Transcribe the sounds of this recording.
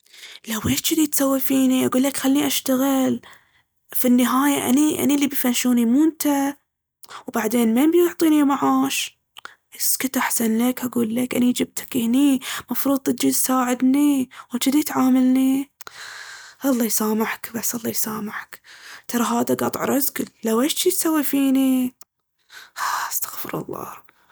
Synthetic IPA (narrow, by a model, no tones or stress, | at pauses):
lawʔeːʃt͡ʃɪd̪it̪sawːafiːniʔaɡuːlːakxalːiʔaʃt̪aɣɪl | finːɪɦaːjaʔa̰niʔa̰nilːibifanʃuːnimunt̪ʰa | wbaʕd̪eːnmajbjʊʕt̪ˤiːnimaʕaːʃ | ʔɪskʊt̪ʔaħsanlakʔaɡuːlːakʔanid͡ʒɪb̚t̪ḁkɪhnimɑfɾuːd̪ˤɪd͡ʒisaːʕɪd̪niwɪt̪ɪd̪it̪ʕaːmalni | ʔɑlˤːɑːjsaːmaħkbasːʔɑlˤːɑjsaːmaʕkt̪ʰɑɾˤɑɦaːðaɡɑt̪ˤʕɾˤɑzɡɪllawʔaʃt͡ʃit̪sawːifiːni | haʔast̪ḁɣfɪ̰ɾɑ̰lˤːɑ̰ː